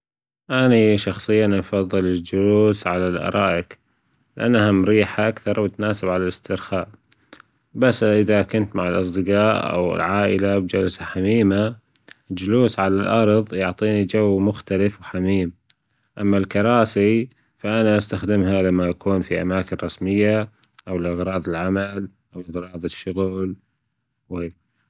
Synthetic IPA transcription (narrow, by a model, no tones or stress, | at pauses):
ʔaniʃɑxsˤɨjːanʔɑfɑðˤːɨlɪd͡ʒʊluːsʕalalʔɑ̰ɾˤɑːʔɪk | lɪʔanːhamɾiːħaʔakθɑɾˤwt̪naːsɪbʕalalɪst̪ɪɾxaːʔ | basːʔɪðakʊnt̪maʕɪlʔɑ̰s̬ˤd̪ɨqaːʔa̰wɪ̰lʕaːʔɪlabd͡ʒalsaħamiːma | d͡ʒluːsʕalalʔɑɾˤðˤjʊʕt̪ˤiːnid͡ʒawːmʊxt̪alɪfwħamiːm | ʔamːalkɑɾˤɑːsi | faʔanaʔast̪axd̪ɪmɦalamːaʔakʰuːnfiʔa̰maːkɪnɾˤɑsmɪjːa | ʔawlʔɪɣɾˤɑːðˤɪlʕamal | ʔawɣɾˤɑːðˤɪʃːʊɣl | wi